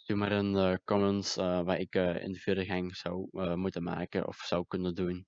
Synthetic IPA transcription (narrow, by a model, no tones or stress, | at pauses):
symaɾənəkɔmənsʋaːɪkɪ̰ndəfyɾəɣɛŋz̥awmutənma̰ːkə̰ɔ̰fsawkɵnədun